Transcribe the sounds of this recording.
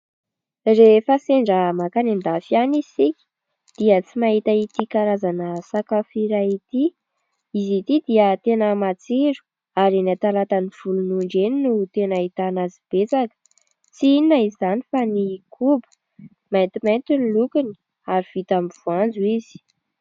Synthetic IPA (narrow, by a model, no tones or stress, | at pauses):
refaseɳɖ͡ʐəmakanind̪afjanisiki̥ | d̪̥iət͡simaɦit̪ait̪ikaɾazanəsakafiɾait̪i | izit̪id̪iət̪enəmat͡siɾu̥ | aɾinat̪alat̪aniv̥ulunuɳɖ͡ʐeninut̪enait̪anazib̥et͡sakə̥ | t͡siininaizzanifanikʰubə̥ | mant̪iment̪unilukuni̥ | aɾiv̥it̪amiv̥uand͡zuiz̥i̥